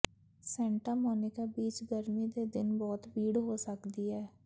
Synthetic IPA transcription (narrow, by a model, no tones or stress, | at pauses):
sɛ̃ːɳʈaːmɔːnɪkaːbiːt͡ʃɡəɾmiːd̪eːd̪ɪnbɔːt̪biːɽɦoːsəkd̪iːɦɛː